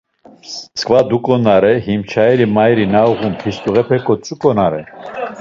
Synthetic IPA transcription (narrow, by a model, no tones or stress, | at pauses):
skʰʼvad̪ukʼɔnaɾɛɦimt͡ʃʰaɛɾimajɾinauɣumpʰist̪ʼuʁɛpʰɛkʼɔt͡sʼukʼɔnaɾɛ